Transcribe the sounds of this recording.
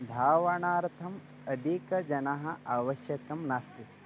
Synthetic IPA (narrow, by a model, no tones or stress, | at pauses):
d̪ʱaːʋɐɳaːɾt̪ʰɐm | ɐd̪ʱikɐd͡ʒɐnɐɦɐaːʋɐʃjɐkɐmnaːst̪i